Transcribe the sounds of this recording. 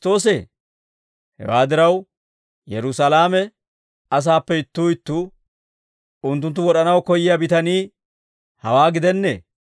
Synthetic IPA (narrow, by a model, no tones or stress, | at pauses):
t̪o̞ːs̬eː | hɛ̰waːd̪ɪɾɐw | jɛɾʊsɐlaːmɛ | ɐs̬aːpːɛɪt̪ːuːɪt̪ːuː | ʊnt̪̬ːʊnt̪ːʊwɔɗɐnɐwkɔjɪjabɪt̪ɐniː | hɐwaːɡɪd̪ɛnːḛː